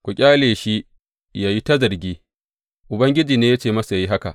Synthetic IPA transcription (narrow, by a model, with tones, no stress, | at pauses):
kʷʊ˨kʲʼaː˦leː˨ʃi˦ | jaː˦ji˦ta˦zɐ˨rɡʲiː˦ | ʔʊ˨bɐ˦ŋɡʲɪ˦d͡ʒiː˨neː˦ja˦t͡ʃeː˦˨mɐ˦sa˨ja˦ji˦ɦa˦ka̰˨ʔ